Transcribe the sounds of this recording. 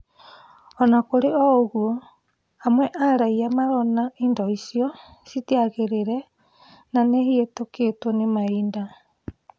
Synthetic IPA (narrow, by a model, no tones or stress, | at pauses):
ɔnakoɾeɔoɣwo | amwɛʔaɾaiamaɾɔnaindɔisiɔ | sitiaɣeɾeɾɛ | nanehietoketwɔnemaiːnda